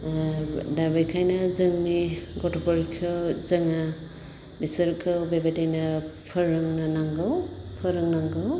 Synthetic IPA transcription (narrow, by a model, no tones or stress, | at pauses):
dabajkʰajnazɯŋniɡɔtʰɔpʰɔɾkʰɯwzɯŋa | bisɯɾkʰɯwbebatajnapʰɯɾɯŋnanaŋɡɯwpʰɯɾɯŋnaŋɡɯw